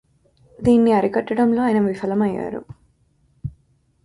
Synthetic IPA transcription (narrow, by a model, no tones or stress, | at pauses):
d̪iːnːiɐɾikɐʈːɐɽɐmlo̞ːjɐnɐʋifɐlɐmɐjːa̰ːɾṵ